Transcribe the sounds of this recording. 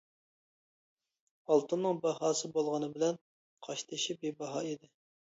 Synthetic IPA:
ɑlˠt̪unːɨŋbɑhɑːsɨbolˠʁɑnɨbɪlɛn | qʰɑʃt̪ʰɨʃibebɑɦɑːid̪ɪ

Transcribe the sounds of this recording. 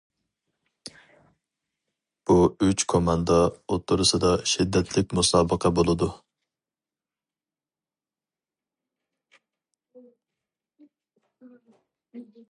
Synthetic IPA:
b̥uyt͡ʃkʰomɑnd̪ɑot̪ʰːʊɾɨsɨd̪ɑʃid̪ːɛt̪ʰlɪk̚ʲmusɑːbəqʰɑbolˠɨd̪u

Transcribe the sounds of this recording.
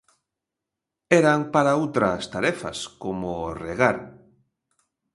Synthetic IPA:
ɛɾaŋpaɾaowt̪ɾɐst̪aɾɛfɐ̰skomoreɣaɾ

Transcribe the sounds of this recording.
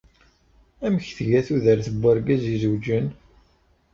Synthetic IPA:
æməçθəʝæθuðəɾθəbːəɾɡæzizəwd͡ʒən

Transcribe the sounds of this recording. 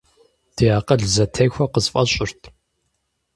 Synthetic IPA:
d̥ʰijaːqɐɮzɐtʰɐjxʷɐqəzfʼɐɕʼɪrtʰ

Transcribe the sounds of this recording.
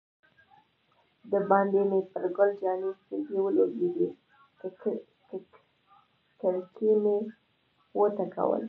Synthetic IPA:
d̪əbɑnd̪emepəɾɡʊld͡ʒɑnikekewəloɡeɡi | kəɾkʰime | wət̪aka̰wə̰l

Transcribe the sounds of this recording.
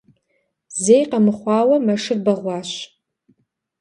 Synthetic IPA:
zejqɐmɨχʷɑːwɐmɐʂɨrbɐʁʷɑːɕ

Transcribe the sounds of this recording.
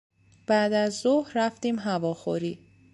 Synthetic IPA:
b̥æd̪æzːohɾæft̪iːmɦævɒːxoɾiː

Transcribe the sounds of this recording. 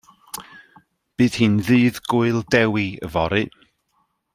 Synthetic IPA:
b̥ɨːð̥hɨːnðɨːðɡʊɨlˠdɛwiə̰vɔɾɨ

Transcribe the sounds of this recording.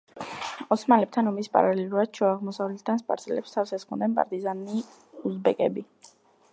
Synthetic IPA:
ɔsmalɛp̚t̪ʰanɔmispʼa̰ɾalɛlˠuɾad̪̥̚t͡ʃʰɛaʁmɔsavlɛt̪ʰd̪ʰanspʼa̰ɾtsʰʼɛlɛ̰pst̪ʰavfsɛsχɔnd̪ɛnpʼa̰ɾt̪ʼizani | uzbɛkʼɛbi

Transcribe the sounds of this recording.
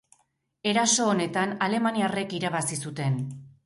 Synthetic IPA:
e̞ɾaso̞ːne̞t̪anale̞maniare̞kiɾaβasisut̪e̞n

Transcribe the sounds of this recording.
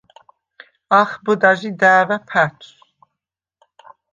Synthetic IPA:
aχbəd̪aʒid̪æːvapʰat͡ʃʰʼ

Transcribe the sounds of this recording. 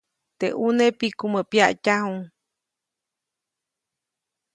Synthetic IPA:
t̪eʔunepikuməpjaʔcahuŋ

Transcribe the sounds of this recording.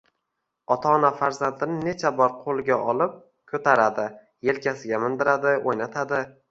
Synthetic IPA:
ɒt̪ʰanafaɾzand̪ɪnɪne̞t͡ʃʰabɒɾqʰolˠɡʲaʔɒlˠɪp̚ | kʰɵt̪ʰaɾad̪ɪ | je̞lkʲʰasɪɡʲamɪnd̪ɪɾad̪ɪojnat̪ʰad̪ɪ

